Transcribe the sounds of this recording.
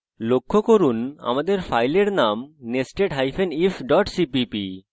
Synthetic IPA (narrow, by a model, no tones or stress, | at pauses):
lokʰːokoɾuna̰mad̪eɾfʰajleɾnamnesʈeʈɦajfʰenifɖɔʈsipipḭ